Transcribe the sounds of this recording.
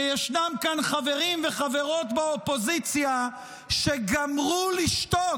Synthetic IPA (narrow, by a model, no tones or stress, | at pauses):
jeʃnamkanχave̞ʁimveχave̞ʁo̞tbaopo̞zit͡sja | ʃe̞ɡamʁuliʃt̪o